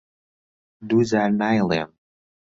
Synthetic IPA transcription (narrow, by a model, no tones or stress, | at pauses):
d̪uzaɾnajlˠḛm